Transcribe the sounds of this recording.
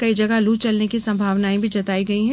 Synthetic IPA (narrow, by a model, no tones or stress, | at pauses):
kɐid͡ʒɐɡaluːt͡ʃɐlnekisɐ̃mbʱaːʋnaːẽbʱid͡ʒɐt̪aːiɡɐiɦɛ̃ː